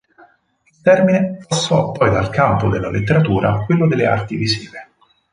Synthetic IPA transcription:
ilt̪ɛrminepasːɔpːɔjd̪alkampod̪elːalet̪ːeɾat̪uːɾʔakwelːod̪elːea̰rt̪ivizḭːve

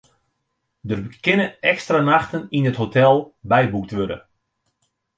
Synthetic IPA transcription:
dərkɪnəɛkstranaxtəninətɦotɛlˠbɛjbuk̚tʋødə̰

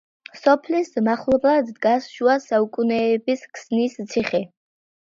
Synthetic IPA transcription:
sɔpʰlismaχlˠɔblˠad̪ːɡasʃuasaukʼunɛːbiskʰsnist̪sʰiχɛ

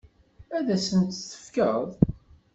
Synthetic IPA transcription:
æðæsənt̪θə̥fkəðˤ

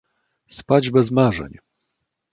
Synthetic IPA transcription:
spad͡ʑbɛzmaʐɛ̰ɲ

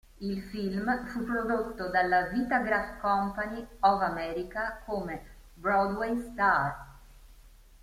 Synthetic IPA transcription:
ilfilmfupːɾod̪ot̪ːod̪alːavit̪aɡɾafkɔmpaniɔvamɛːɾikakome | bɾɔd̪wejst̪ar

